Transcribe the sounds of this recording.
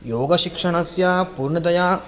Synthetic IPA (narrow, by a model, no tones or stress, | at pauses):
joːɡɐʃikʂɐɳɐsjaːpuɾɳɐd̪ɐjaː